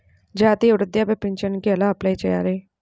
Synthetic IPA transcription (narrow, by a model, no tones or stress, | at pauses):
d͡ʒaːt̪iʊɽd̪jabepɪɲt͡ʃənkeɐlaːplait͡ʃɐja̰ːɾeː